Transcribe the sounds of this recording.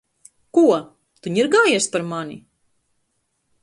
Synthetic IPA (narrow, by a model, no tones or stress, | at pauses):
kuɔ | t̪uɲiɾɡaːjispaɾmanḭ